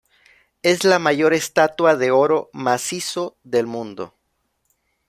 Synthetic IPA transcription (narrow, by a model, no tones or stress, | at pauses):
e̞zlamaʝo̞ɾe̞st̪at̪waðe̞o̞ɾo̞masiso̞ðe̞lmũnd̪o̞̰